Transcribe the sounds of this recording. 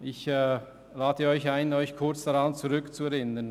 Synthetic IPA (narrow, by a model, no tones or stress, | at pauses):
ʔɪçɛː | laːdəɔʏçaɪnɔʏçkʰʊɾt͡sd̥aʁɑnt͡suʁʏkt͡suɛʁɪnən